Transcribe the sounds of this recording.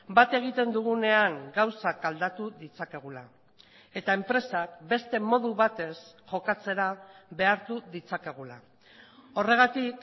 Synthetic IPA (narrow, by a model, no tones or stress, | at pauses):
bat̪e̞ɣ̞it̪e̞nd̪uɣ̞une̞aŋɡawsakald̪at̪uðit͡sake̞ɣ̞ula | e̞t̪ae̞mpɾe̞sak̚be̞st̪e̞mo̞ðuβat̪e̞sʝo̞kat͡se̞ɾaβe̞aɾt̪uðit͡sake̞ɣ̞ula | o̞re̞ɣ̞at̪ik